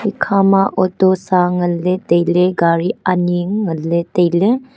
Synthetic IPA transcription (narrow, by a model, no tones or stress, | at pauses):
ikʰamaʔɔtɔsaŋɐlːetejleɡaɾianiŋːɐlːetejle